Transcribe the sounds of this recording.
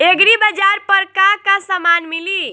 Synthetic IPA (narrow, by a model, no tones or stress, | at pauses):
eɡɾibəd͡ʒaɾpəɾkakasəmanmili